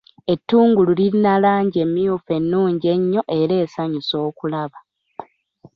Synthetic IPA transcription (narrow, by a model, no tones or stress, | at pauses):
e̞tːuːŋɡululiɾinalaːɲɟe̞mːijufe̞nːuːɲɟe̞ɲːo̞ʔe̞ɾe̞ːsaɲuso̞ːkulaβa